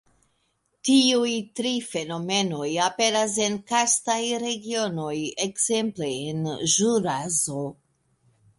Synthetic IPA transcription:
tiujtɾife̞no̞me̞no̞jape̞ɾas̬e̞nkastajɾe̞ɡio̞no̞je̞kze̞mple̞ːnʒuɾazo̞

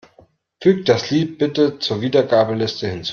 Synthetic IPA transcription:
fyːkd̥asliːt̚b̥ɪtət͡suːɐviːdɐɡaːbəlɪstəhɪnt͡sː

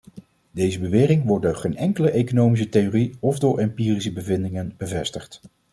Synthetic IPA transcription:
dejzəbəʋɪːrɪŋʋɔɹt̚doχejnɛŋkələʔejkonowmis̬ətejoriɔvdʊːɹʔɛmpiːrisəbəvɪndɪŋənb̥əvɛstəχt

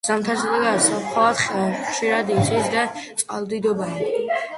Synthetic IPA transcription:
z̥amt̪ʰasliɡaɾsaχʰaat̪χχʃiɾad̪iχisd̪at̪sʼqʼa̰lˠd̪id̪ɔba

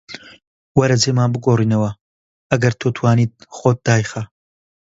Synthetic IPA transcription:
wɐɾɐd͡zeːmaːnbɨɡoːriːnɐwɐ | ɐɡɐɾt̪ʰoːt̪ʰwaːniːt̪̚χot̪̚d̪̥aːjxɐ

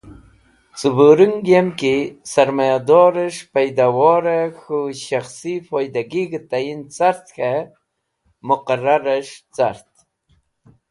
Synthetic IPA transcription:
t͡subuɾuŋɡemkisaɾmajad̪ɔɾəʂpajd̪awɔɾaxuʃaxsifojd̪aɡiɡt̪ajint͡saɾt̪xa | mʊqaɾaɾəʂt͡saɾt̪

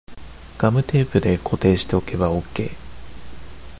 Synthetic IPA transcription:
ɡ̥amɯ̟t̪e̞ːpɯ̟d̪e̞kʰo̞t̪e̞ːɕi̥t̪e̞o̞ke̞βao̞kːe̞ː

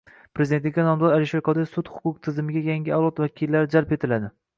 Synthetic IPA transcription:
pɾezd̪et̪lɪkʲːanɒmd̪ɒɾalɪʃeɾqʰɒd̪ɪsʊt̪hʊ̥qʰʊqt̪ʰɪzɪmɪɡʲajaŋʲɪalˠɒt̪vakʲʰilːaɾɪd͡ʒalpe̞t̪ʰɪlad̪ɪ

